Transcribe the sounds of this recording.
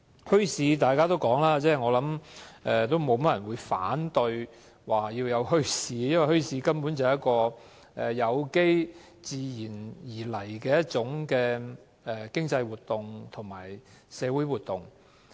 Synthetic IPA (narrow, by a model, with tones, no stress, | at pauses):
hɵ˥ɥsiː˨˧t̪aː˨˩jkaː˥t̪o˥wkɔː˨˥ŋlaː˥t͡sɛː˥˩ŋɔː˨˧lɐ˨˥mʔɛ˨˧t̪o˥wmo˨˧wmɐ˥t̚jɐ˨˩nwuː˨˧jfa̰ː˨˥nt̪ɵ˧ɥ | waː˨˩jiː˧wjɐ˨˧wɦɵ˥ɥsiː˧jɐ˥nwɐ˨˩jhɵ˥ɥsiː˧kɐ˥mpu˨˥nt͡sɐ˨˩hjɐ˥t̚kɔː˧ | ʔɛː˨˩jɐ˨˧wke˥j | t͡siː˧jiː˨˩njiː˨˩lɐ˨˩jkɛː˧jɐ˥t̚t͡ʃʊ˨˥ŋkɛː˧ | ɛ˨˩kɪ˥ŋt͡sɐ˧jwuː˨t̚t̪ʊ˨˩ŋt̪ʰʊ˨˩ŋma̰ː˨˩jsɛː˨˧wu˨˥jwuː˨˩t̚t̪ʊ˨ŋ